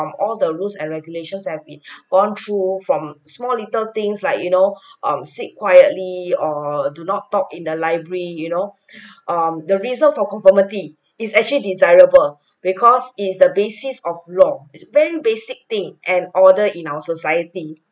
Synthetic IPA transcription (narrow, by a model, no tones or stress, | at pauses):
mɔldəɹulsɛ̃nɹɛɡjuleʃə̃nshɛvbĩnɡ̥ɔ̃nt̪ʰɹufɹɔ̃msmɔlitəlt̪ɪ̃ŋslaɪkjunoʔʌ̃msit̚kʰwajətliɔdunɔtːɔkĩndəlaɪbɹəəɹijuno | ʔʌ̃mdəɹizə̃nfɔkɔ̃ɱfəmiti | isɛk̚t͡ʃəlidizajɹəbəl | b̥ikʰɔsitsdəbesisɔflɔisvɛɹibesik̚t̪ɪ̃ŋʔɛ̃nɔdəʔĩnawəsosajəti